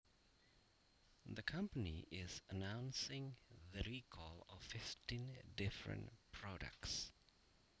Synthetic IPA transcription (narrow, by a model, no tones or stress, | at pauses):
ðəkʰʌ̃mpəniʔɪzənãʊ̃nsɪ̃ŋðəɹikʰɔlɔvfɪftĩndɪfɹə̰̃ntpʰɹɔdə̰k̚ts